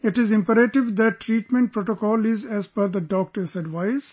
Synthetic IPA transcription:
ɪʈɪzɪ̃mpəɾeʈɪʋd̪æʈːɾiːʈmẽɳʈ̚pɾoːʈokɔːlɪzɛzpəɾd̪əɖɔːk̚ʈəɾsɛɖʋaɪz

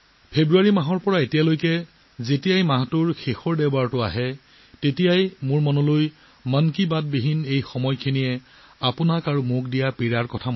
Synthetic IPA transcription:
pʰebɹuaɹimaɦɔɹpɔɹaetijalojkɛ | zetijajmaɦtʊɹxexɔɹdɛbaɹtʊa̰ɦɛ | tetijajmʊɹmɔnɔloj | mənkibat̚biɦinejxɔmɔjkʰenijɛ | apʊnakaɹumʊkdijapiɹaɹkɔtʰam

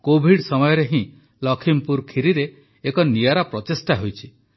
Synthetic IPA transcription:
kobʱiɽsɔmɔjɔɾeɦĩ | lɔkʰimpuɾkʰiɾiɾeː | kɔnijaɾapɾɔt̪esʈaɦojt͡ʃʰi

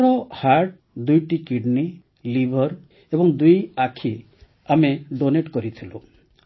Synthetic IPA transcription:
ɾɔhaɾʈ | d̪ujʈikiɖni | libʱɔɾ | ebɔŋd̪ujakʰi | ameɖoneʈkɔɾit̪ʰilo

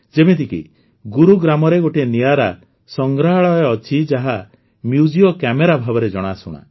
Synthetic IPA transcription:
d͡ʒebet̪ikḭ | ɡuɾuɡɾamɔɾeɡoʈienijaɾa | sɔŋɡɾaɭɔjɔːt͡ʃʰid͡ʒaɦa | mjud͡ʒijɔkɛmeɾabʱabɔɾed͡ʒɔɽ̃asṵɽ̃a̰

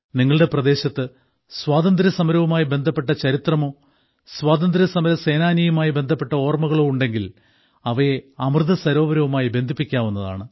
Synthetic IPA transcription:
niŋːɐɭɨɽe̞prɐd̪e̞ːɕɐt̪ːɨ | swaːd̪ɐnd̪ɾɐsɐmɐɾɐʋumaːjibe̞nd̪ʱɐpːe̞ʈːɐt͡ɕɐɾit̪rɐmo̞ː | swaːd̪ɐnd̪ɾɐsɐmɐɾɐse̞ːnaːnijumaːjibe̞nd̪ʱɐpːe̞ʈːɐo̞ːrmɐɣɐɭoːuɳɖe̞ŋɡil | ɐʋɐjeɐmrɨðɐsɐɾo̞ːʋɐɾɐʋumaːjibe̞nd̪ʱipːikʲːaːʋunːɐða̰ːɳɨ

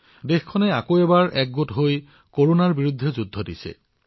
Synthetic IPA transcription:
dexkʰːɔnɛakoɛbaɹʔɛk̚ɡotɦoj | koɹonaɹbiɹud̪ʱːezud̪ʱːɔdisɛ̰

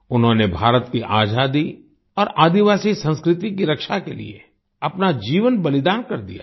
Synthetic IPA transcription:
ʊnɦõːnebʱaːɾət̪kiʔaːd͡ʒaːd̪i | ɔːɾaːd̪iʋaːsisə̃nskɾɪt̪ikiɾɐkʃakelḭḛ | ɐpnad͡ʒiːʋənbɐlɪd̪aːnkɐɾd̪ija̰ː

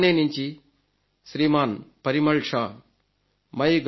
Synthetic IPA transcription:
neːniɲt͡ʃi | ʃɾiːmaːnpɐɾimɐɭʂaː | mɐjɡ

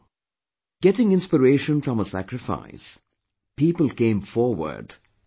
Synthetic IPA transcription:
ɡ̥ɛtɪ̃ŋɪ̃nspəɾeːʃə̃nfɹɔ̃məsæ̰kɾɪfa̰ɪs | piːpəl̩ˠkẽɪ̃ɱfɔːɹwə̰ɹɖ̥

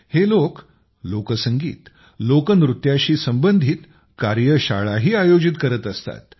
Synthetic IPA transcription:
helok | lokəsəŋɡḭːt̪ | lokənɾut̪jaɕiːsəmbənd̪ʱiːt̪ | kaɾjəɕa̰ɭaɦiːajod͡ʑit̪kəɾət̪əst̪a̰t̪̚

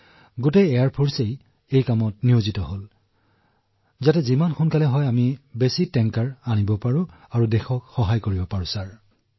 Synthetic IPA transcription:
ɡotejɛjaɹpʰoɹsej | ejkamɔtniozitɔɦol | zatɛzimanxʊnkalɛɦɔjamibesitɛŋkaɹanibɔpaɹʊ̃ | aɹudɛxɔkxɔɦajkoɹibɔpaɹʊ̃saɹ

